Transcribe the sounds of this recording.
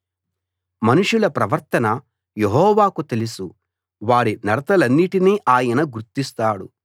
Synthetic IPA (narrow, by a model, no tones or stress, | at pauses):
mɐnuʂulɐpɾɐʋɐɾt̪ɐnɐ | je̞ɦɔːʋaːkut̪e̞lusu | ʋaːɾinɐɾɐt̪ɐlɐnːiʈiniːʔaːjɐnɐɡuɾt̪ist̪aːɽṵ